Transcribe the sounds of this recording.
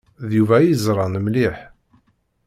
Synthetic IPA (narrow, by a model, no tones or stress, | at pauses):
ðjuvæjizɾˤɑnmliħ